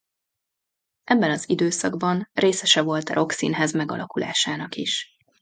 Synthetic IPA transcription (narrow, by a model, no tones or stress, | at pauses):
ʔɛbːɛnɒzid̪øːsɒɡbɒnreːsɛʃɛvo̞lt̪ɛɾʔo̞ksḭnɦɛzmɛɡɒ̰lɒkula̰ːʃaːnɒkiʃ